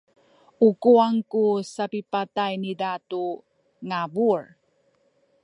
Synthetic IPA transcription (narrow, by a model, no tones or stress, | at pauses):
ukuaŋkusapipatajnidatu | ŋabuɹ